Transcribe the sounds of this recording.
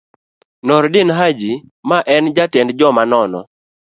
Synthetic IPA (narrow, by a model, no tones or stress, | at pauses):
nɔɾdɪnɦad͡ʒimaʔɛnd͡ʒatɛndd͡ʒɔmanɔnɔ̰